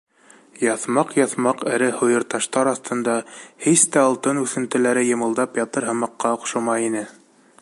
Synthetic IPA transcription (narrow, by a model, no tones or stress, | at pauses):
jɑθmɑqjɑθmɑqɘ̆ɾɘhŏjɤ̆ɾt̪ɑʃt̪ɑɾɑθt̪ɤ̆nd̪ɑhist̪æɑlˠt̪ɤnʉθɘ̆nt̪ɘ̆læɾɘjɤ̆mɤ̆lˠd̪ɑpjɑt̪ɤɾɦɤ̆mɑqːɑŏqʃɤmɑjinɘ